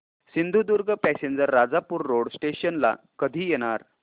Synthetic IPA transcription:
sind̪ʱud̪uɾɡʱəpæsend͡zəɾːad͡zapuːɾːoɽsʈeɕənla̰ | kəd̪ʱiːjɛɽ̃aɾ

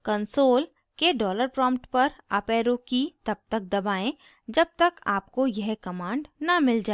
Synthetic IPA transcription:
kɐnsoːl | keɖɔːləɾpɾɔ̃ːmpʈpɐɾɐpɛːɾõkit̪ɐb̚t̪ɐk̚d̪ɐbaːẽ | d͡ʒɐb̚t̪ɐka̰ːp̚kojɛɦkɐmãːɳɖnɐmɪld͡ʒaː

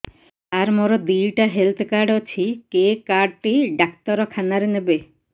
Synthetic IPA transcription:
aɾmoɾɔd̪iɭʈaɦelt̪ʰkaɾɖɔt͡ʃʰikekaɾɖʈiɖakt̪ɔɾɔkʰanaɾenebe

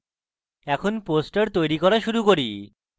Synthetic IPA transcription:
ɛkʰonposʈaɾt̪ojɾikɔɾaʃuɾukoɾi

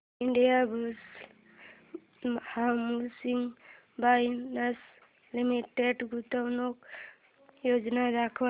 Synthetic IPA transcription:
iɳɖijabus | hamusiŋ | bajnas | limiʈeɖɡut̪awnɔk̚ | jod͡ʒnaɾakʰba

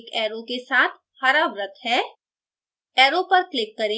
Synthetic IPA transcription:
kɛːɾokesaːt̪ʰ | xɐɾaːbɾɐkʰɦɛ̃ː | ɛːɾopɐɾklɪkːɐɾẽ

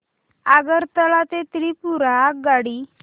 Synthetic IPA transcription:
aɡəɾt̪əlat̪et̪ɾipuɾaɡaɽiː

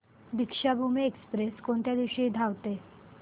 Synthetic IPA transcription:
d̪ikʂabʱumeekspɾeskoɳt̪jad̪iʋɕiid̪ʱaʋt̪e

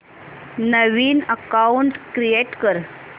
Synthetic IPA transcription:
nəʋiːnəkauɳʈkɾijeʈkəɾ

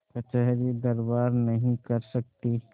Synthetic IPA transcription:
kɐt͡ʃəɦɾid̪ɐɾbaːɾnɐɦĩkɐɾsɐk̚t̪i

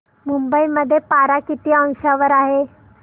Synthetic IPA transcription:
mumbəiməd̪ʱːjepaɾakit̪iːə̃ŋʂaʋəɾaɦe

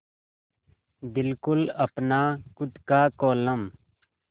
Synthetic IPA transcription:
bɪlkʊlɐpnaːkʊd̪kaːkoːləm

